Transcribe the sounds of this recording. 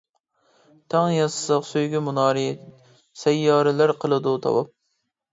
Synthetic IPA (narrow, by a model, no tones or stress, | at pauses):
t̪ʰɑŋjɑsɨqsøjɡʲɪmunɑːɾi | sɛjːɑːɾɪlæɾqʰəlˠɨd̪ut̪ʰɑ̰wɑ̰p̚